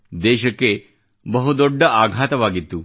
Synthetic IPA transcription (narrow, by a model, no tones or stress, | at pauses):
d̪eɕəke | bəɦud̪oɖʱːəʔaɡʱat̪ʋaɡit̪uː